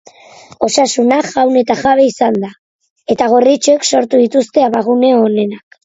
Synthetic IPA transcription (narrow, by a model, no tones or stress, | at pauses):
o̞sasunaɡawne̞t̪aʝaβe̞isand̪a | e̞t̪aɣ̞orit͡ʃoekso̞ɾt̪uðit̪ust̪e̞aβaɣ̞une̞oːne̞nak